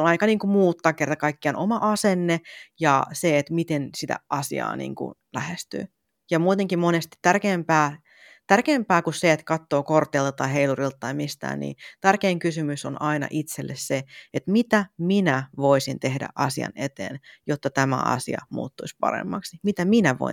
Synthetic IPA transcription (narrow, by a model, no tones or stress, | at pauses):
onɑikɑniːŋkumuːt̪ːɑːkːert̪ɑkɑikːiɑnʔomɑʔɑsenːejɑ̰seet̪mit̪ensit̪æ̰ʔɑsiɑ̰ːnḭːŋkṵlæhest̪y̰ː | jɑmuːt̪eŋkimmonest̪i̥t̪ːærkeːmpæː | t̪ærkeːmpæːkusseet̪kɑt̪ːoːkort̪ˑeilt̪ɑt̪ːɑiɦeilurilt̪ɑt̪ɑimist̪æ̰ːnnḭːt̪ærkeːŋkysymysonʔɑinɑ̰ʔit̪selːesseet̪mit̪æminæʋoisint̪ehdæ̰ʔɑsiɑ̰net̪ḛːnjot̪ːɑt̪æmæ̰ɑ̰sḭɑ̰mṵːt̪ːuispɑ̰ɾḛmːɑksimit̪æminæʋo̰ḭ